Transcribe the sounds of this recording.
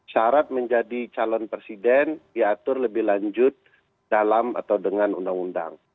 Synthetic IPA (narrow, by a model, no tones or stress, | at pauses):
ʃaɾat̪̚məɲd͡ʒadit͡ʃalɔnpɾesidɛndiat̪ʊrləbɪhlaɲd͡ʒʊt̪̚ | d̥alama̰t̪awdəŋanundaŋunda̰ŋ